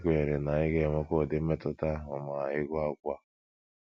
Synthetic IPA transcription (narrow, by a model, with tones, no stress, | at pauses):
kʷe˨ɾe˨na˨ɪ˦ɡe˦˨mʊ˦ko˦˨dɪ˦m̩˦e˦tʊ˦ta˦ɦʊ˨ma˨a˨ɪ˦ɡʷa˦ɡʷa˦